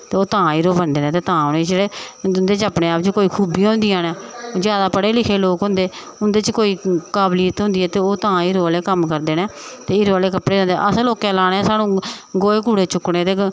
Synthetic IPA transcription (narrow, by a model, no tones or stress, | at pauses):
t̪eːoːt̪ãːiːɾoːbənd̪eːnẽːt̪eːt̪ãːʊneːeːɽeːʊnd̪eːt͡ʃəpɽeːaːpt͡ʃkoːiːkʰuːbĩːɦʊ̃nd̪ijãːnɛːd͡ʒjaːd̪aːpəɽeːlɪkʰeːloːkɦʊ̃nd̪eː | ʊnd̪eːt͡ʃkoːiːkaːbliːət̪ɦʊ̃nd̪iːɛːt̪eːoːt̪ãːiːɾoːleːkəmkəɾd̪eːneːt̪eːɪɾoːleːkəpɽeːɾːnd̪ḛʔəsloːkɛ̃ːlaːɽeãːsaːnũːɡoːeːkuːɽeːt͡ʃʊkːɽẽːt̪eː